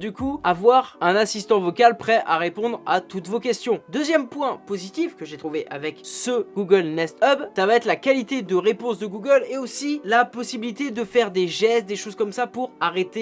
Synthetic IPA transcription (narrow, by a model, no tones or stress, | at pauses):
d̪ykuavwaʁɛ̃nasist̪ɑ̃vɔkalpχɛʔaʁepɔ̃d̪ʁat̪ut̪vokʲɛst̪jɔ̃d̪øzjɛmpwɛ̃pozit̪ifkəʒet̪χuveʔavɛksəɡ̥uɡʲəlnɛst̪œbt̪avaɛt̪lakalit̪ed̪əʁepɔ̃sd̪əɡuɡʲəleosilapɔsibilit̪ed̪əfɛʁd̪eʒɛst̪̚d̪eʃoz̥kɔmsapuʁaʁet̪e